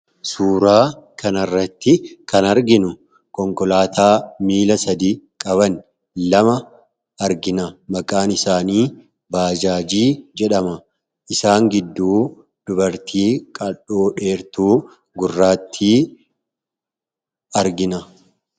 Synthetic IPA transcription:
suːɾaːkɐnɐrːɐt̪ːɪkɐnɐɾɡɪnʊ | kɔŋkɔlaːt̪ʰaːmiːlɐsɐd̪iːkʼɐβɐn | lɐmɐ | ɐɾɡɪnɐmɐkʼaːnɪsaːniː | baːd͡ʒaːd͡ʒiːd͡ʒɛᶑɐmɐ | ʔɪsaːŋɡɪd̪ːuː | d̪̥ʊbɐɾt̪ʰiːkʼɐᶑoːᶑe̞ːɾt̪uː | ɡʊrːaːt̪ʰːiː | ɐɾɡɪnɐ

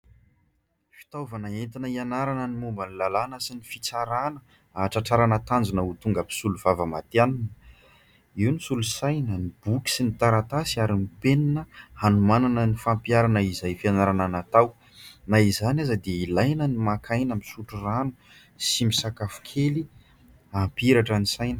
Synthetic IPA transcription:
fi̥t̪awvanaent̪inəianaɾanənimumbənilalanəsinifit͡saɾanə | aʈ͡ʂaʈ͡ʂaɾanət̪and͡zunəut̪uŋɡəbi̥suluvavəmat̪eaninə | iwnisulusajnənibuki̥sinit̪aɾat̪asiaɾimipeninəhanumananənifampjaɾanəizajfianaɾananat̪aw | naizanazəd̪eilajnənimakʰajnamisuʈ͡ʂuranu | simisakafu̥kʰeli | ampiɾaʈ͡ʂənisajnə̥

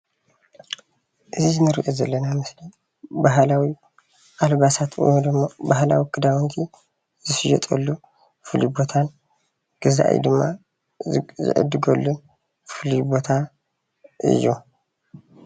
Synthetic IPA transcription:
ʔɨzizɨnɨɾḭʔozɐlːɐnamɨsli | baɦlawi | ʔalβasat̪ʰw̰jnd̪ɨmːobahla̰wikʰɨd̪awɔnt̪ʰi | zɨsɨjɛ̰t̪ʼɐ̰lːu | fɨlibo̞t̪ʰan | ɡ̥ɨza̰ʔj̰d̪ɨmːa | zɨ̰ʕɨ̰d̪ɨɡɐlːun | fɨlibo̞t̪ʰa | ʔɨ̰jːu

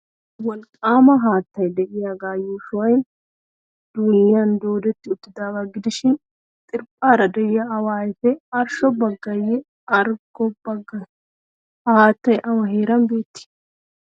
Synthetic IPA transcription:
wɐlkʼaːmɐɦaːt̪ːɐjd̪ɛʔɪjaɡaːjoːsʊwɐjn | d̪̥uːnɪjand̪o̞ːd̪ɛt̪ːɪʊt̪ːɪd̪aːbɐɡɪd̪ɪʃɪn | t̪ʼɪɾpʼːaːɾɐd̪ɛjɪjɐɐwaːjɪfɛɐɾʃɔbɐɡːɐjɛ | ɐɾɡɔbɐɡɐ | haːt̪ːɐjʔɐwɐɦeːɾɐmbe̞ːt̪ːɪ̥

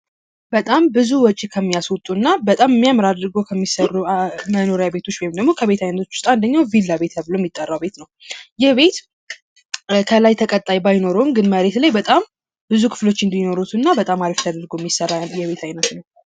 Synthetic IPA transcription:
bət̪ʼambɨzuwɔt͡ʃʼikʰəmːijaswʊt̪ʼunːabət̪ʼamɛmːiamɾad̪ɾɨɡokʰəmːisərːuməno̞ɾejabe̞t̪ʰo̞t͡ʃːbihemd̪əɡmo̞kʰəβe̞t̪ʰajnət̪ʰo̞̥t͡ʃːwʊ̥st̪ʼand̪əɲːawvilːaβe̞t̪ʰəβloɛmːjit̪ʼːərːawbe̞t̪nəwjɛβe̞t̪ | kʰəlajt̪ʰəkʼət̪ʼːajbajno̞ɾumɡɨnməɾe̞t̪lajbət̪ʼam | bɨzukʰɨ̥flo̞t͡ʃːɨnd̪ino̞ɾut̪ʰunːabət̪ʼamaɾift̪ʰəd̪əɾɡoɛmːjisərːajɛβe̞t̪ʰajnət̪nəw

